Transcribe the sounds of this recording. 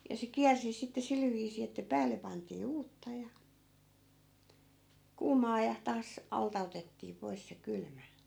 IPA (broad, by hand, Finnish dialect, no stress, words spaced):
jɑ se kiærsi sitːe sil ʋiːsiː etːæ pæːlːe pɑntiː uːtːɑ jɑ kuːmɑː jɑ tɑːs ɑltɑ otetːiː pois se kylmæ